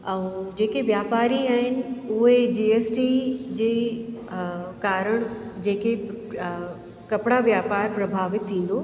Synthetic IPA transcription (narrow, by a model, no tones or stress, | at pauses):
ɛ̃ũd͡ʑeːkeʋjaːpaːɾiaːɦɪnɪ̆ʊɦed͡ʑiːeːsʈid͡ʑeː | kaːɾəɽ̃d͡ʑeːke | kɐpɽaʋjaːpaːɾpɾɐbʱaːʋɪt̪ʰːĩːn̆d̪oː